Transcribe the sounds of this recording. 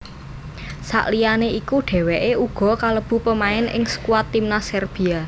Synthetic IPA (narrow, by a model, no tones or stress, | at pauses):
sa̰ʔlijaneikuɖ̥ɛ̤wɛʔeuɡ̥ɔ̤kaləb̥ṳpəmaɪnɪ̰ŋsə̥kuwat̪ːimnasɛrb̥i̤a